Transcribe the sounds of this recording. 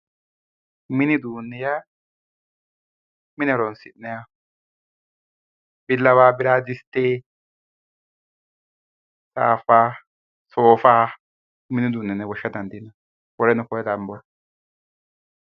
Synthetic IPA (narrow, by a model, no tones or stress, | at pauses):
mɪnɪd̪uːnːɛja | mɪnɛɾɔnsɪ̰nːɛja | bɪlːɐwaːbɪɾaːd̪ɪst̪ːeː | ta̰ːfaː | soːfaː | mɪnɪd̪uːnːɛnːɛwɔʃːɐd̪ɐnd̪ɪnɐ | wɔɾɛnʊkɔɾɛd̪ɐmbɔ